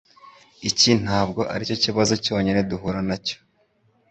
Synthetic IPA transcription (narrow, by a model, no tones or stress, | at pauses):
icin̥aːb̚ɡo̞ʔa̰ɾico̞ciβazo̞co̞ːɲine̞duɦuɾanaco̥